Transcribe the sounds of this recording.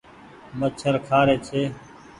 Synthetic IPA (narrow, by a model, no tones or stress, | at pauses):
mət͡ʃʰəɾkʰaːɾeːt͡ʃʰeː